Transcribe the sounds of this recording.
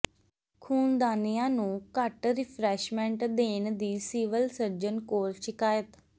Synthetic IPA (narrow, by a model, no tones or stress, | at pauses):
kʰuːnd̪aːnijãːnũːkəʈɾɪpʰɾɛːʃmɛ̃ɳʈd̪eːnd̪iːsiːʋəlsəɾd͡ʒənkoːɾʃɪkaːjət̪